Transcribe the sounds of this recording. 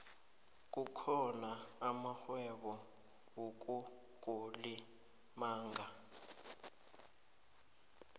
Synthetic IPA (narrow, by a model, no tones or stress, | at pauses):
k̬ʼukʰɔnaamaxwɛɓɔ | wok̬ʼu | ɡ̥ʱoli | maːŋa